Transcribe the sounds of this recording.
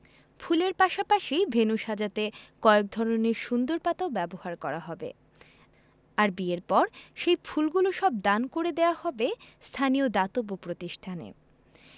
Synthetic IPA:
fʰuleɾpaʃapaʃibʱenuʃad͡ʑat̪ekɔek̚d̪ʱɔɾoneɾʃund̪oɾpat̪aobɛbohaɾkɔɾaɦɔbḛ | aɾbieɾpɔɾʃejfʰulɡuloʃɔb̚d̪ankoɾed̪eahɔbest̪ʰaniod̪at̪obopɾot̪iʃʈʰanḛ

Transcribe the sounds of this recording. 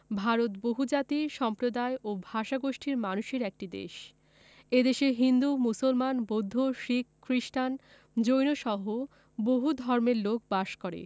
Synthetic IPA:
bʱaɾot̪boɦud͡ʑat̪iʃɔmpɾod̪aeʔobʱaʃaɡoʃʈʰiɾmanuʃeɾɛk̚ʈid̪ḛʃ | ed̪eʃeɦind̪umusolmanbod̪ʱːoʃikːɾiʃʈan | d͡ʑojnoʃɔɦo | boɦud̪ʱɔɾmeɾlok̚baʃkɔɾḛ

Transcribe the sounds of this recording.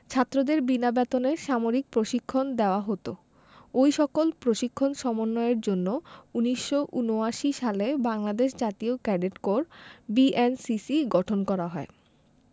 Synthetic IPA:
t͡ɕʰat̪ːɾod̪eɾbinabɛt̪oneɾʃamoɾik̚pɾoʃikʰːond̪eoaɦot̪o | ojʃɔkolpɾoʃikʰːonʃɔmonːɔeeɾd͡ʑonːouniʃːoʔunoaʃiʃalebaŋlad̪eʃd͡ʑat̪iokɛɖeʈkoɾbiʔensisiɡɔʈʰonkɔɾaɦɔe

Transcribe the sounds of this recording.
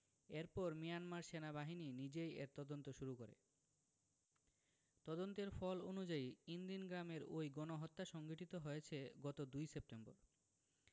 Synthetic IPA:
eɾpɔɾmijanmaɾʃenabaɦininid͡ʑejḛɾt̪ɔd̪ont̪oʃuɾukoɾḛ | t̪ɔd̪ont̪eɾfɔlonud͡ʑaiind̪inɡɾameɾojɡɔnoɦɔt̪ːaʃɔŋɡiʈit̪oɦojet͡ɕʰeɡɔt̪od̪ujsep̚ʈembo̰ɾ

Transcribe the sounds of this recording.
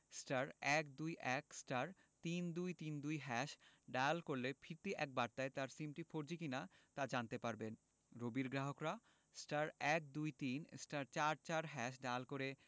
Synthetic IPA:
sʈaɾɛk̚d̪ujʔɛksʈaɾ | t̪ind̪ujt̪ind̪ujɦɛʃɖaalkoɾlefʰiɾt̪iʔɛk̚baɾt̪aet̪aɾsimʈifoɾd͡ʑikinat̪ad͡ʑant̪epaɾben | ɾobiɾɡɾaɦokɾa | sʈaɾɛk̚d̪ujt̪insʈaɾt͡ɕaɾt͡ɕaɾɦɛʃ̬ɖaalkoɾe

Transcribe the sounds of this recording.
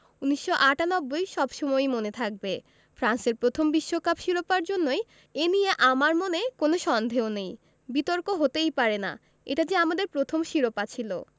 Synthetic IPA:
uniʃːoʔaʈanɔbːojʃɔbʃɔmɔjmonet̪ʰak̚be | fɾanseɾpɾot̪ʰombiʃːokapʃiɾopaɾd͡ʑonːoj | enijeʔamaɾmonekonoʃɔnd̪ʱeonej | bit̪oɾkoɦot̪ejpaɾena̰ | ḛʈad͡ʑeamad̪eɾpɾot̪ʰomʃiɾopat͡ɕʰilo̰

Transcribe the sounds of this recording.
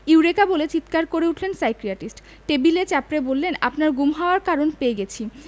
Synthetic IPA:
iwɾekabolet͡ɕit̪kaɾkoɾeuʈʰlensajkɾiaʈisʈ | ʈebilet͡ɕapɾebolːenapnaɾɡumɦaoaɾkaɾonpeeɡet͡ɕʰi

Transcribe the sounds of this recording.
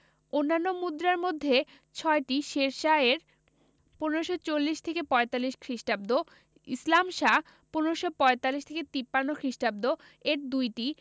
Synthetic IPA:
onːanːomud̪ɾaɾmod̪ʱːe | t͡ɕʰɔeʈiʃeɾʃaeɾ | puneɾoʃot͡ɕolːiʃt̪ʰekepɔet̪alːiʃkʰɾiʃʈab̚d̪o | ḭslamʃa | puneɾoʃopɔet̪alːiʃt̪ʰeket̪ipːanːokʰɾiʃʈab̚d̪o | eɾd̪ujʈi

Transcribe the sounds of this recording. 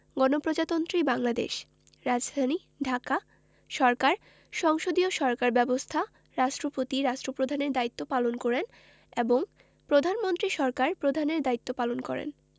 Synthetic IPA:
ɡɔnopɾod͡ʑat̪ont̪ɾibaŋlad̪ḛʃ | ɾad͡ʑd̪ʱani | ɖʱaka | ʃɔɾkaɾ | ʃɔŋʃod̪ioʃɔɾkaɾbɛbost̪ʰa | ɾaʃʈɾopot̪iɾaʃʈɾopɾod̪ʱaneɾd̪ait̪ːopalonkɔɾen | eboŋ | pɾod̪ʱanmont̪ɾiʃɔɾkaɾpɾod̪ʱaneɾd̪ait̪ːopalonkɔ̰ɾḛn

